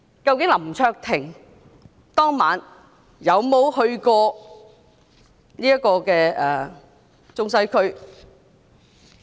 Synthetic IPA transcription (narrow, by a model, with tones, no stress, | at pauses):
kɐ˧wkɪ˨˥ŋlɐ˨˩mt͡sʰœː˧k̚t̪ʰɪ˨˩ŋ | t̪ɔː˥ŋmaː˨˥n | jɐ˨˧wmo˨˧whɵ˧ɥkɔː˧ | niː˥ɐ˥kɔː˧kɛː˧ɛ˨˧ | t͡sʊ˥ŋsɐ˥jkʰɵ˥ɥ